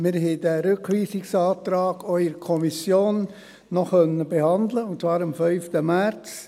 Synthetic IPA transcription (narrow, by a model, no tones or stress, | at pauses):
mɪɾɦɛdæɾʏkʋiːsɪksɑːt̪ɾɑːɡ̥œʏəɾkʰɔmisjoːnː | ɔχœnːəbehɑnd̪ləʊntt͡svɑːɾɑmfœʏftəmæɾt͡s